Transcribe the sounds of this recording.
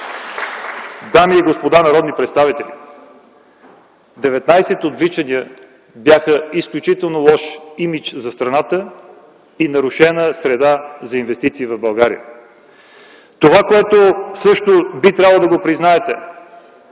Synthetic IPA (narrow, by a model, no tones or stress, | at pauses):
d̪amiɛɡospod̪anɐɾɔd̪nipɾɛt̪st̪avit̪ɛlʲḭ | d̪ɛvɛt̪najsɛt̪od̪vlit͡ʃɐniə | bjaxəisklʲut͡ʃit̪ɛlˠnolˠɔʃimit͡ʃzɐst̪ɾɐnat̪ə | inɐɾʊʃɛnəsɾɛd̪azɐinvɛst̪it̪siːvɐvbɐlˠɡaɾḭə̰ | t̪ovakoɛt̪osɤʃt̪obit̪ɾʲablˠd̪ɐɡopɾiznaɛt̪ɛ